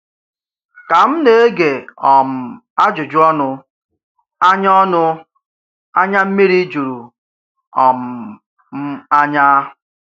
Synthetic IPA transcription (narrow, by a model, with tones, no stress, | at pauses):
ka˨m̩˦ne˨e˦ɡe˨ɔ˨m̩˨ | a˦d͡ʒʊ˨d͡ʒʊ˦ɔ˦nʊ˦ | a˦ɲ˦ɔ˦nʊ˦ | a˦ɲa˦m̩˦mi˦ɾi˦d͡ʒu˨ɾu˨ | ɔ˨m̩˨ | m̩˦a˦ɲa˦˨